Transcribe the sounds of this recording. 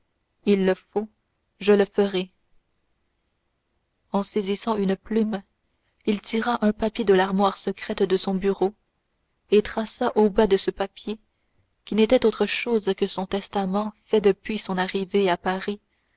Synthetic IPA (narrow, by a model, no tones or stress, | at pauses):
ilːəfo | ʒələfəʁɛ | ɑ̃sezisɑ̃ynəplym | ilt̪ʰiʁaʔœ̃papjed̪əlaʁmwaːʁsəkχɛt̪d̪əsɔ̃byʁo | et̪χasaʔobad̪əsəpapje | kʲinet̪ɛt̪ot̪χəʃoːzkəsɔ̃t̪ɛst̪amɑ̃fɛd̪əpɥisɔ̃naʁiveapaʁi